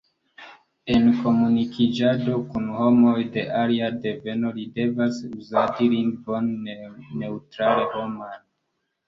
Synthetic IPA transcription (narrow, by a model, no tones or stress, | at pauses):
e̞nko̞munikʰid͡ʒado̞kunho̞mo̞jde̞ʔaliade̞ve̞no̞lide̞vasuzatilinbo̞nne̞utɾaleho̞man